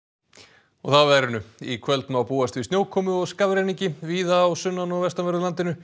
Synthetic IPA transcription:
ɔ̰ɣθaðvɛɾnʏikʰvœlt̪nmawpuːast̪vist̪joːwkʰɔːmʏɔɣskavɾeniɲcɪviːðaːwsʏnːanɔɣvɛst̪amvɛɾðʏlant̪ɪnʏ

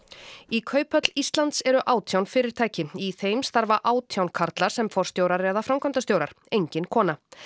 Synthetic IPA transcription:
ikʰœːɥpœt̪l̥ist̪lant̪sɛɾʏʔaːwt̪ʰjawnfɪɾɪɾ̥t̪ʰaːjcɪiθejmst̪aɾvaʔaːwt̪ʰjawnkʰaɾt̪laɾ̥sɛmfɔ̥st̪joːwɾaɾɛːðafɾamkʰvamnt̪ast̪joːwɾaɾ̥ | ejɲcɪnkʰɔːna

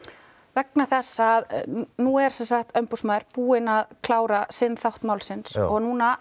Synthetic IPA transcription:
vɛknaθɛsːaðnuɛɾ̥sɛnsaxt̪œɥmpusmaːðɪɾ̥puːɪnaðkʰlaːwɾasɪnθawht̪mawlsɪnsɔɣnuːna

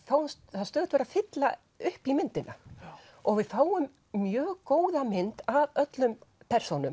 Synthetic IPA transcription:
θawsθaðst̪œ̥ːt̪vɛɾaðfɪt̪la̰ | ʏhpimɪnt̪ɪnʔa̰ | ɔɣvɪðfaːwʏmː | jœːɣkoːwðamɪnt̪avœt̪lʏm | pʰɛr̥sɔnʏm

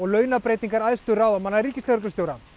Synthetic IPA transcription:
ɔɣlœːɥnapɾeːjt̪iŋkaɾajðst̪ʏwɾawðamanːaðɾriːcɪseɾklʏst̪owɾa

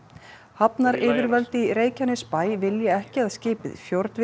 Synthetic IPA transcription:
hapnaɾɪːvɪɾvɛlt̪ɪireːjcanːɪspaːjvɪljɛɛhcɪaðscɪːpɪ̰ðfjoɾt̪v

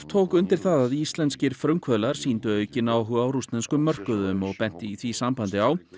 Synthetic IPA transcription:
ft̪ʰːoːwkʏnt̪ɪɾ̥θaðaðist̪lɛnscɪɾ̥fɾœŋkʰvœːlaɾ̥siːnt̪ʏœːɥcɪnaːwɦʏɣaːwɾust̪nɛnskʏmːœr̥kʏðʏmɔɣpɛn̥t̪ɪiθviːsampant̪ɪaw

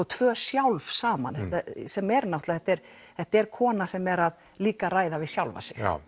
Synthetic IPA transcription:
ɔt̪ʰvœːsjawlvsaːmanθɛt̪asɛmɛɾnawt̪aθɛt̪ɛɾ̥ | θɛht̪ɛɾkʰɔːnasɛmɛɾað | liːkaraːjðavɪðsjawlva̰sɪx

